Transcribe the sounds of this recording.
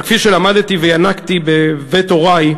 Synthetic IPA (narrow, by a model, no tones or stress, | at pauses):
kfiʃelamad̪t̪ivejanakt̪ibevet̪o̞ʁaj